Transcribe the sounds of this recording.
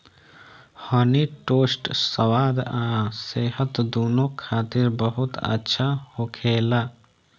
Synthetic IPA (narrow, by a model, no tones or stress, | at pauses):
həniʈoːsʈsəwaːd̪ãseːɦət̪d̪oːnokʰaːt̪ɪɾbəɦʊt̪ə̰tːʃʰahokʰeːla